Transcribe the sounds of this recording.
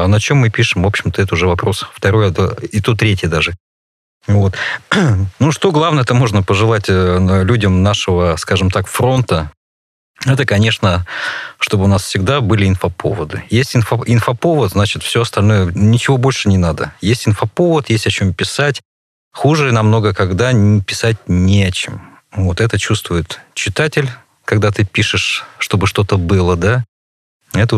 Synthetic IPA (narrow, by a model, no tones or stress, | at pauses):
ɐnɐt͡ɕo̞mːɨpʲiʂɨmvo̞pɕɪmt̪əɛt̪əʊʐɛvɐpɾo̞sft̪ɐɾo̞jəd̪oɪt̪ot̪ɾʲetʲjəd̪aʐɨ | vo̞t̪ | nuʂt̪o̞ɡlˠavnəjɛt̪əmo̞ʐnəpəʐɨlˠatʲlʲudʲəmnaʂəvəskaʐɨmt̪akfɾo̞nt̪ə | ɛt̪əkɐnʲe̞ʂnəʂt̪o̞bɨʊnasfsʲɪɡ̚d̪abɨlʲɪɪnfəpʰo̰vəd̪ɨ̰jesʲtʲɪnfɐɪnfɐpo̞vət̪znat͡ɕɪt̪fsʲɵɐst̪ɐlʲno̞jənʲɪt͡ɕɪvo̞bo̞lʲʂɨnʲɪnad̪ə̰jesʲtʲɪnfɐpo̞vət̪jesʲtʲɐt͡ɕo̞mpʲɪsatʲ | xuʐɨnɐmno̞ɡəkɐɡd̪anʲɪpʲɪsat̚ʲnʲɪɐt͡ɕɪm | vot̪ɛt̪ət͡ɕust̪vʊjɪt̪t͡ɕɪt̪atʲɪlʲ | kɐɡ̚d̪at̪ɨpʲiʂɨʂːt̪o̞bɨʂt̪o̞t̪əbɨlˠəd̪a | ɛt̪ə